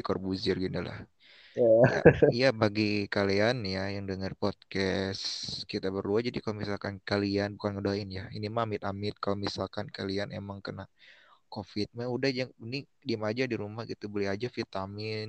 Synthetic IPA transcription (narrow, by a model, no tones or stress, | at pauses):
ikɔrbuzɪrɡinula̰h | a̰jabaɡikalianjajaŋdəŋərpɔt̪̚kɛskit̪abəruahd͡ʒadikalomisalkankalianbukanŋədaɪnjainimamɪt̪̚amɪt̪̚kalomisalkankalianḛmaŋkənakofɪt̪̚maudahd͡ʒaŋnidimad͡ʒadiɾumahɡit̪ubolɛɦad͡ʒafit̪amɪn